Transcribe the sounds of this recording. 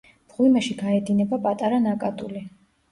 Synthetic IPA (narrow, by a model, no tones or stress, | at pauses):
b̥ʁwimɛʃiɡaɛd̪inɛbapʼat̪ʼaɾanakʼat̪ʼuli